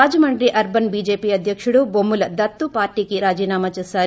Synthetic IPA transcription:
aːd͡ʒɐmɐɳɖɾiʔɐɾbɐnbiːd͡ʒeːpiɐd̪ʱjɐkʂɐɽubomːulɐd̪ɐt̪ːupaːɾʈikiɾaːd͡ʒiːnaːmɐt͡ʃɐsaː

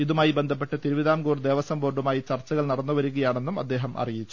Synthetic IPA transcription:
iðumaːjibe̞nd̪ʱɐp̬ːe̞ʈːɨt̪iɾuʋiðaːmɡuːrd̪e̞ːʋɐsɐmbo̞ːɖumaːjit͡ɕɐrt͡ɕːɐɣɐɭnɐrɐnːuʋɐɾuɣɐjaːɳe̞nːumɐ̰d̪ːe̞ːɦɐmʔɐ̰rijit͡ɕːu̥

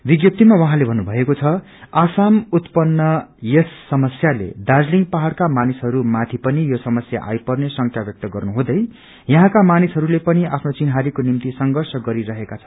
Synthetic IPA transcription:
biɡjʌp̚t̪imawʌɦãlebʱʌnːubʱʌekot͡sʰʌ | asamut̪pʌnːʌjesːʌmʌsjalḛd̪ad͡zliŋɡpaɦaɽkamanisɦʌɾumat̪ʰipʌnijosʌmʌsja̰ʔa̰jpʌrnesʌŋkʰjabjʌk̚t̪ʌɡʌrnuɦũd̪ʌj | jʌɦãkamanisɦʌɾulepʌniʔapʰnot͡sinɦaɾikonimt̪isʌŋɡʌrsʌɡʌɾiɾʌɦekat͡sʰʌ̥n

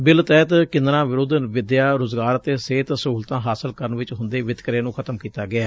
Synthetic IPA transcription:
bɪlt̪ɛːt̪kɪ̃nd̪ɾãːʋɪɾoːd̪ənʋɪd̪jaːɾoːzɡaːɾt̪eːseːt̪səɦuːlt̪ãːɦaːsəlkəɾənʋɪt͡ʃɦʊnd̪eːʋɪt̪kɾeːnũːkʰət̪əmkiːt̪aːɡɪaː

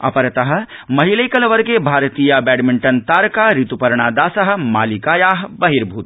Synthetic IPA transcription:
ɐ̰pɐɾɐt̪ɐɦɐ̆ | mɐɦilɐjkɐlɐʋɐɾɡeːbʱaːɾt̪iːjɐɐbɛːɖmiɳʈɐnt̪aːɾkaːɾit̪upɐɾɳaːd̪aːsɐɦɐ̆maːlikaːjaːɦbɐɦiɾbʱuːt̪

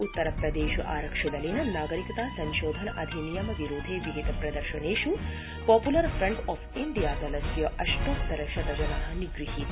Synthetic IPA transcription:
ut̪ːɐɾɐpɾɐd̪eːʃuʔa̰ːɾɐkʂɐd̪ɐleːnɐnaːɡɐɾikɐt̪aːsɐ̃nʃoːd̪ʱɐnɐʔɐd̪ʱinijɐmɐʋiɾoːd̪ʱeːʋiʋid̪ʱpɾɐd̪ɐɾʃɐneːʃu | pɔːpulɐɾfɾɐɳɖɔːfiɳɖijaːzɐlɐsjɐʔɐʃʈɐpt̪ɐɾɐʃɐɾɐd͡ʒɐnaːɦɐniɡɾiɦit̪

